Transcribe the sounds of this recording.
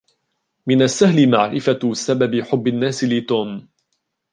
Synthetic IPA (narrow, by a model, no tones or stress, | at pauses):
mɪnasːahlɪmaʕɾɪfasababɪħʊbːɪnːaːsɪlɪt̪uːm